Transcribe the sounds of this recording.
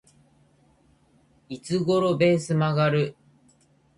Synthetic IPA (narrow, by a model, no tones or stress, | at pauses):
it͡sɨɡo̞ɾo̞be̞ːsɨmaɡaɾɯ̟